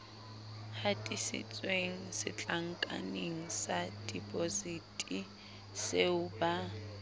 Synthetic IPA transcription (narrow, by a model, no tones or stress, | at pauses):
hatʼisɪ̰t͡sʼweŋ̩sɪ̰t͡ɬʼaŋ̩kʼa̰neŋ̩sadʼipʼozitʼi | seʊba